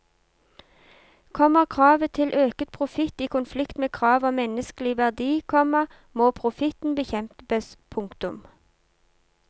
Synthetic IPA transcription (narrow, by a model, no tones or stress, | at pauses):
kʰɔməʁkʰʁɑːʋət̪ʰɪlʔøːkət̪̚pʰʁʊfɪt̪iːkʊnflɪkt̪meːkʰʁɑːʋoːmɛnəsklɪʋæʁd̪iːkʰɔmɑ | moːpʰʁʊfɪt̪n̩bəçɛmt̪bəspʰʊŋkt̪ʊm